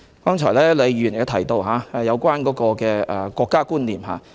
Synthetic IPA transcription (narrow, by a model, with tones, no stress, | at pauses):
kɔː˥ŋt͡ʃʰɔː˨˩jlɛː˥le˨˧jyː˨˩n˨˥t̪ʰɐ˨˩jt̪o˧wɦaː˨˧ɛ˨˧jɐ˨˧wkʷwaː˥nkɔː˨˥kɔː˧kɛː˧ʔɛ˨kʷɔː˧kːaː˥kuː˥nliː˨˩mɦa̰ː˨˧